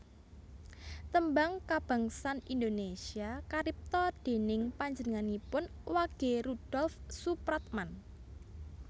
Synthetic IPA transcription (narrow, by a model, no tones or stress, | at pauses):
t̪əmbaŋkab̥a̤ŋsanind̪onesiakaɾɪp̚t̪ɔd̪̥e̤nɪŋpaɲd͡ʒənəŋanipʊnwaɡ̥e̤ɾud̥ɔlfsupɾɔt̪̚man